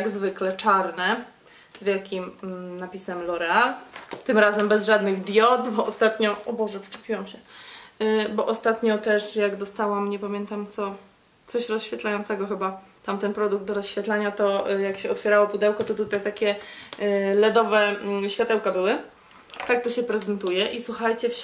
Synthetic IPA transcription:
t̪aɡzvɘklɛt͡ʂaɾnɛ | zvʲjɛlkʲimnapʲisɛmlɔɾɛalt̪ɘmɾazɛmbɛzʐad̪nɘɣd̪jɔt̪bɔɔst̪at̪ɲɔɔbɔʐɛpʂt͡ʂu̥pʲiwamɕɛ | bɔʔɔst̪at̪ɲɔt̪ɛʂjaɡd̪ɔst̪awamɲɛpamʲjɛnt̪amt̪sɔ | t̪sɔɕɾɔsɕfʲjɛt̪lajɔ̃nt̪sɛɡɔxɘbat̪amt̪ɛnpɾɔd̪uɡ̚t̪d̪ɔɾɔsɕfʲjɛt̪laɲat̪ɔjakɕɛɔt̪fʲjɛɾawɔpud̪ɛwkɔt̪ɔt̪ut̪ajt̪akʲɛ | lɛd̪ɔvɛɕfʲjat̪ɛwkabɘwɘ | t̪ak̚t̪ɔɕɛpɾɛzɛnt̪ujɛʔiswuxajt͡ɕɛf

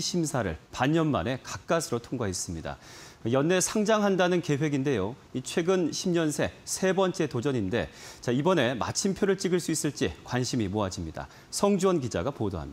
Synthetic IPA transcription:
ɕʰimsʰaɾɯ̰ɭpaɲːʌnma̰ne̞kak̚k͈asʰɯɾotʰoŋɡais͈ɯmɲida̰jʌnːe̞sʰaŋd͡ʑaŋɦandanɯnke̞we̞ɡinde̞joit͡ɕʰwe̞ɡɯnɕʰimɲʌnsʰe̞sʰe̞bʌnt͡ɕ͈e̞tod͡ʑʌɲinde̞̰t͡ɕaibʌne̞ma̰t͡ɕʰimpʰjoɾɯɭt͡ɕ͈iɡɯɭs͈uis͈ɯɭt͡ɕ͈ikwanɕʰimimoad͡ʑimɲida̰ | sʰʌŋd͡ʑuʌnkid͡ʑa̰ɡapodoɦa̰mɲi

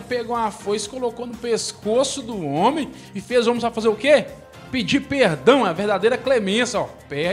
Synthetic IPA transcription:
peɡowafojskolokonʊpeskosʊd̪ʊõmẽj̃ | ɪfezuõmẽpɾɐfazeɾʊke | pid͡ʒipehd̪ɐ̃w̃ɛɐvehd̪ad̪ejɾɐklemẽsɐɔpɛ

